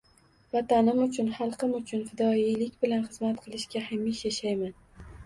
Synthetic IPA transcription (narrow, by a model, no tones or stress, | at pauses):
vɒt̪anɪmʊt͡ʃʰʊnχɑlˠqɨmʊt͡ʃʰʊnfɪd̪ɒilɪkʲbɪlanχɨzmat̪qʰɨlˠɪʃkʲahamːiʃjaʃajman